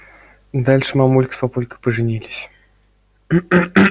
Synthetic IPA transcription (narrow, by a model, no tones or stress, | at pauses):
d̪alʲʂɨmɐmulʲkʲə̥spapulʲkɨpəʐɨnʲilʲɪsʲ